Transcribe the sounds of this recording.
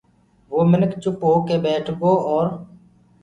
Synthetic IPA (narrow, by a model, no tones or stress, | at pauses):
ʋoːmɪnəkt͡ʃʊpoːkeːbɛːʈʰɡoːɔːɾ